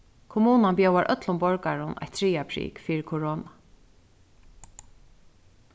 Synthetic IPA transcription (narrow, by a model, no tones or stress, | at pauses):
kʰʊmuːnanpjowaɹʔœ̰t̪lʊmbɔɹkaɹʊna̰jt̪ʰɾiːapʰɾḭːkfiːɹɪkʰʊɹɔːna